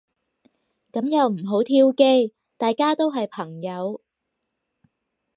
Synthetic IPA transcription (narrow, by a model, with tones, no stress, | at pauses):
kɐ˨˥mjɐ˨wm̩˨˩ɦo˨˥wt̪ʰiː˥wke˥j | t̪aː˨jkaː˥t̪o˥wɦɐ˨jpʰɐ˨˩ŋjɐ˨˥w